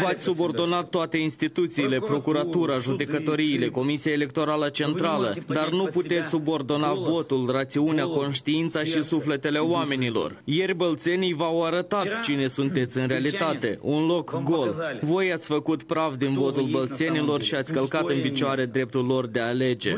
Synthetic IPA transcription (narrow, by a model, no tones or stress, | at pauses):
vat̪sʲsubo̞rd̪o̞nat̪ːoat̪e̞inst̪it̪ut̪siːle̞pɾo̞kuɾat̪uɾaʒud̪e̞kət̪o̞ɾiːle̞ko̞misiaele̞k̚t̪o̞ɾalət͡ʃe̞nt̪ɾaləd̪arnuput̪e̞t̪sʲsubo̞rd̪o̞navo̞t̪ulrat̪siuneako̞nʃt̪iint̪saʃisufle̞t̪e̞le̞oame̞nilo̞̰rje̞rʲbəlt̪se̞nijvawaɾət̪at̪t͡ʃine̞sunt̪e̞t̪sʲɨnɾealit̪at̪e̞ʔunlo̞kɡo̞lvo̞jat̪sʲfəkut̪pɾavd̪invo̞t̪ulbəlt̪se̞nilo̞rʃiat̪sʲkəlkat̪ɨnpit͡ʃoaɾe̞d̪ɾe̞p̚t̪ulːo̞rd̪e̞aːle̞d͡ʒe̞̰